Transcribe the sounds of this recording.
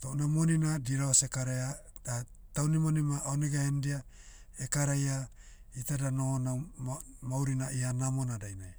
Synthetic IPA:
t̪onamoninadiɾaasekaɾajad̥at̪awnimonimaoneɡahendia | ekaɾajait̪adanohona | mawɾinaihanamonadainaj

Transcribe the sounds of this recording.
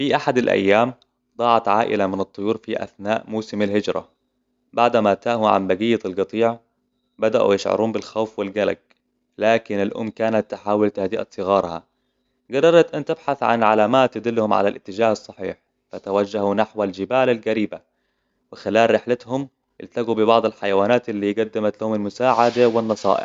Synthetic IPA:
fiʔaħad̪alʔa̰jːaːm | d̪ˤɑːʕɑt̪ʕa̰ːʔɪ̰lamɪnɨt̪ˤːʊjuːɾfiʔa̰θnaːʔmuːsɪmalhɪd͡ʒɾˤa̰ | baʕd̪mat̪aːhʊʕa̰mbaɡijːalɡɑt̪ˤiːʕ | bad̪aʔṵjɪʃʕɑ̰ɾˤuːmbɪlxawfwɪlɡala̰ɡ̚ | laːkɪnalʔʊ̰mːkaːnat̪ːɪħaːwɪlt̪ahd̪ɪʔa̰t̪sˤɨɣɑːɾˤha̰ | ɡɑrˤːɑɾˤɑt̪ʔant̪ɪbħaθʕa̰nʕalaːmaːt̪ːɪd̪ɪlːhʊmʕa̰lalʔɪt̪ːɪd͡ʒaːhɑsˤːɑħḭːħ | fat̪awad͡ʒːahunaħwald͡ʒɪbaːlalɡaɾiːba | wɪxɪlaːlɾɪħlat̪hʊm | ʔɪ̰lt̪aɡubɪbɑʕd̪ˤɑlħajawaːnaːt̪ɪlːiːɡad̪ːɪmat̪lahʊmalmʊsaːʕad̪awɪnːɑsˤɑ̰ːʔɪ̰ħ

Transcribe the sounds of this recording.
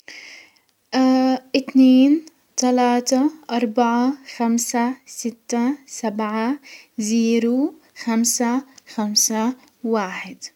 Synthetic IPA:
ʔɪt̪neːn | t̪alaːt̪aʔɑɾˤbaʕaxamsasɪt̪ːasabʕaziːɾu | xamsaxamsa | waːħɪd̪

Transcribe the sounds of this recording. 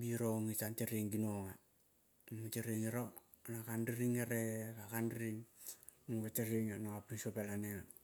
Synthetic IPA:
biɾoŋitanteɾiŋɡinoŋa | mteɾiŋiɾo | nakandiɾiŋeɾekakandiɾiŋ | nuŋɡeteɾiŋanoŋapinsopelaneŋa

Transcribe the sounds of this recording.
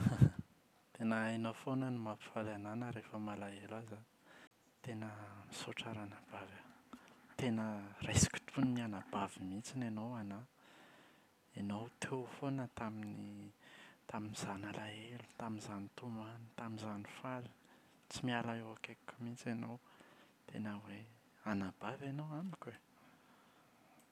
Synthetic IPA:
t̪enəenowfonənimapi̥falananəɾefəmalaelaza | t̪enəmisoʈ͡ʂaɾanab̥avat̪enərajsi̥kʲi̥t̪ʰunimianabavimit͡sinenowana | enowt̪ʰewfonət̪amini | t̪aminiz̥analaelu̥t̪aminzanit̪umanit̪aminzanifali̥ | t͡simialaewakekumit͡senow | t̪ʰḛnəwe | anab̥avenowamikʲwe

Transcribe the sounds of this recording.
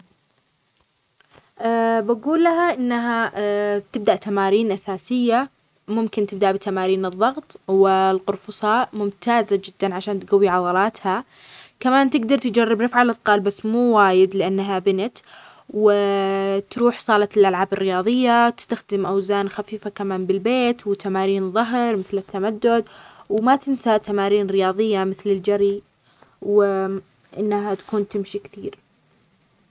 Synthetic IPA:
ʔabaɡuːlːahaʔɪnːaɦat̪ɪb̚d̪aʔt̪amaːɾiːnʔasaːsɪjːa | mʊmkɪnt̪ɪb̚d̪aʔbɪt̪amaːɾiːnɨðˤːɑɣt̪ˤwɪlqʊɾfʊsˤɑːʔmʊmt̪ʰaːzad͡ʒɪd̪ːanʕaʃaːnt̪ɡawːiʕɑðˤɑlɑːt̪ha | kamaːnt̪ɪɡd̪ɑɾˤt̪ɪd͡ʒarːɪbɾɪfʕalʔɑt̪ˤqɑːlbasːmuːwaːjɪd̪lɪʔanːɦabɪnat̪ | wɪt̪ɾuːħsˤɑːlɑlʔalʕaːbɪrːɪjɑːðˤɨjːawt̪ɪ̥st̪axd̪ɪmʔawzaːnxafiːfakamaːnbɪlbeːt̪wt̪amaːɾiːnðˤɑɦɾˤmɪθlɪt̪ʰːamad̪ːʊd̪̚wmat̪ɪnsaʔt̪amaːɾiːnɾɪjɑːðˤɨjːamɪθlɪld͡ʒaɾi | w | ʔɪnːɦat̪ḁkuːnt̪ɪmʃikθiːɾ

